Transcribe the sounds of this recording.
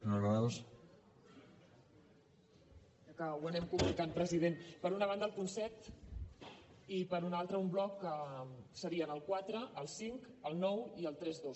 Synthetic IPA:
noas | kawənɛmkumunikampɾəziðenpəɾunəβ̞and̪əːlˠpunsɛt̪ | ipəɾunalˠt̪ɾəumblɔkəsəɾiənəlˠkwat̪ɾəʔːlˠsiŋkəlˠnɔwiəlˠt̪ɾɛzðos

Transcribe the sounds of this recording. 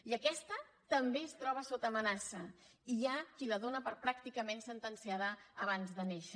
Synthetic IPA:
iəkɛst̪ə | t̪əmbeəst̪ɾɔβ̞əsot̪əːmənasə | iakiləðonəpəɾpɾak̚t̪ikəmensənt̪ənsiaðəəβ̞anzðəneʃə

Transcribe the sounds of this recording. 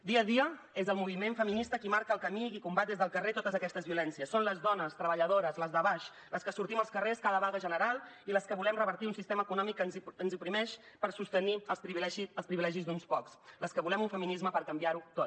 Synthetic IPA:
d̪iəðiə | ezəlˠmuβ̞imeɱfəminist̪əkimaɾkəlˠkəmikikumbat̪̚ezðəlˠkəret̪ot̪əzəkɛst̪əzβiulɛnsiəsːonləzðɔnəst̪ɾəβəʎəðoɾəzləzðəβaʃ | ləskəsuɾt̪iməlˠskəreskaðəβaɣəʒənəɾalˠiləskəβulɛmrəβəɾt̪iunsist̪eməːkunɔmikːənzənzipɾimɛʃ | pəɾsust̪əniəlˠspɾiβilɛʒiəlˠspɾiβilɛʒizd̪unspɔksləskəβulɛmuɱfəminizməpəɾkəmbiaɾut̪ot̪

